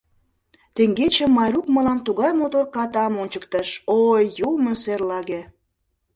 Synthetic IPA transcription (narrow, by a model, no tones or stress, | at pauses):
t̪eŋɡet͡ɕəmːɑjɾukmə̆lɑmt̪uɣɑjmot̪orkɑt̪ɑmonʲt͡ɕəkt̪əʃojːuməserlɑɣe